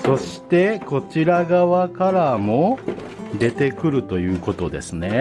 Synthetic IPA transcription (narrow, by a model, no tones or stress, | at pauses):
so̞ɕi̥t̪e̞ko̞t͡ɕiɾaɡaβakaɾamo̞ | d̪e̞t̪e̞kɯ̟ɾɯ̟t̪o̞jɯ̟ːko̞t̪o̞d̪e̞sɨne̞